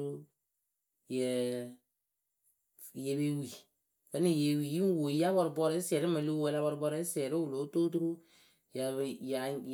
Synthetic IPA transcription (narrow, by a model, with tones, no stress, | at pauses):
u˦ | jɛ˨ | je˨˦be˦wi˨ | bɛ˨˦ni˨je˨wi˨ji˦m˦wo˨˦ja˦bɔ˧ɾʊ˨bɔ˦ɾɛ˦sɛ˨ɾɪ˦ma˨lo˦wɛ˧la˦bɔ˧ɾbɔ˧ɾɛ˦sɛ˨ɾɪ˦wu˨lo˨˦to˦tu˦ɾu˦ | ja˨ja˨